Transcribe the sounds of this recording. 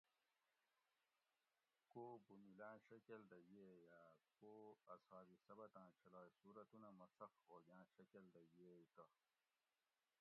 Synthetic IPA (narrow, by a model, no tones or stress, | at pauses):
koːbumilãːɕɐkeld̪ɐjejaːkoːɐsaːɾisɐbɐt̪ãːt͡ɕʰɐlaːjsuːɾɐt̪unɐmɐt͡sɐqɦoːɡãːɕɐkeld̪ɐjieit̪ɐ